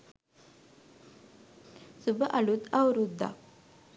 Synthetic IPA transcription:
subʱəʔaɭut̪awɾud̪ʱːa̰

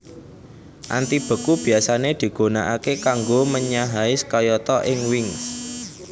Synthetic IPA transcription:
ʔa̰nt̪ib̥ə̤kub̥i̤asaned̪̥i̤ɡ̥o̤naʔakekaŋɡoməɲaɦaɪskɔjɔt̪ɔʔɪŋwɪŋs

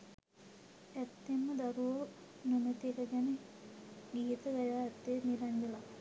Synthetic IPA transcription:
æt̪ːemːəd̪aɾuʋə | nunət̪ikəɡɛne | ɡiːt̪əɡajaːɛt̪ːenilɐɲd͡ʒəla

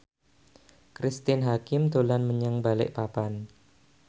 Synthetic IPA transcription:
kɾist̪ɪnɦakɪmd̪olanməɲaŋbalɪ̰ʔpapan

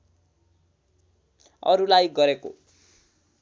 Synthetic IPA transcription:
ʌ̰ɾulajɡʌɾeko̰

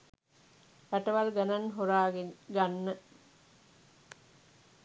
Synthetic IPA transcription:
pæʈəʋalɡananɦoɾaːɡeɡanːə

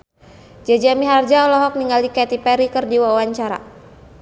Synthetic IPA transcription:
d͡ʒad͡ʒamiɦard͡ʒaɔlɔɦɔk̚niŋalikɛt̪ipɛɾikɨrdiwawaɲt͡ʃaɾa̰

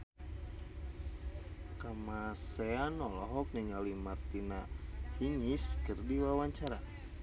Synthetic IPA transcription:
kamasɛanɔlɔɦɔk̚niɲalimart̪inahiɲiskɨrdiwawaɲt͡ʃaɾa

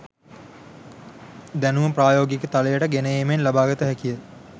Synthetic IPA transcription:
d̪ænuməpraːjoːɡikət̪aləjəʈəɡenəjemenlabaːɡət̪əɦækijə

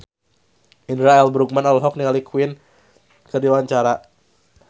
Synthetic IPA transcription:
indɾaɛlbɾuk̚manalɦɔk̚niŋalikʰwɪn | kərdiwaɲt͡ʃaɾa

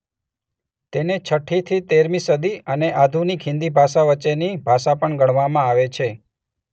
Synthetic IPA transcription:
t̪enet͡ʃʰəʈʰit̪ʰit̪eɾmisəd̪iəneʔad̪ʱunikɦɪ̃nd̪ibʱaʃaʋət͡ʃːenibʱaʃapəɳɡəɳʋamãaʋet͡ʃʰe

